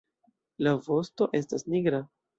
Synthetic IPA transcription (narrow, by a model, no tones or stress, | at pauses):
lavo̞sto̞ʔe̞stasniɡɾa